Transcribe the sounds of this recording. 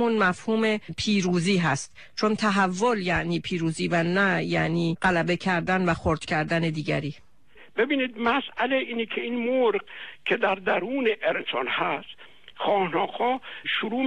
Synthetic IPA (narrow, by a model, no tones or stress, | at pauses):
unmæfhuːmepʰiːɾuːziːɦæst̪ | t͡ʃʰont̪ʰæɦævːoljæʔniːpʰiːɾuːziːvænæjæ̰niːɢælæbe̞cʰæɾd̪ænvæxoɾd̪̥cʲʰæɾd̪æned̪iːɟæ̰ɾiː | b̥ebiːniːd̪̚mæsæleiːnekʰeiːnmoɾɢkʲʰed̪æɾd̪æɾuːneʔeɾsɒnhæst̪ | xɒːhnɒːxɒːʃuɾuː